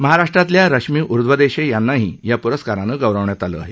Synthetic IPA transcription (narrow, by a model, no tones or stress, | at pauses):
məɦaɾaʂʈɾat̪ljaɾəɕmiːʔuɾd̪ʋəd̪eɕejanːaɦiːjapuɾəskaɾãnəɡəwɾəʋɳjat̪alə̰aɦe